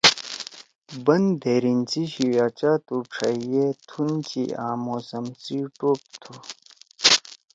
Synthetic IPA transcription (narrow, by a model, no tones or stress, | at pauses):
bɐnd̪ʱeːɾint͡siɕiat͡ɕat̪uʈ͡ʂʰɐjet̪ʰunt͡ɕḭaːmoːsɐmsiʈop̚t̪ʰu